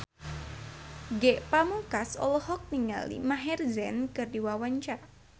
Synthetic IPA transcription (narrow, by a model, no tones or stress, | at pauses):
ɡɛʔpamukasɔ̰lɔhɔk̚niŋa̰lḭmaɦɛrzɛnkɨrdiwawaɲt͡ʃa